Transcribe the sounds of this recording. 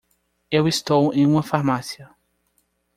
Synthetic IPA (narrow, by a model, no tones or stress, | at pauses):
ewist̪owẽj̃ũmɐfaɾmasiɐ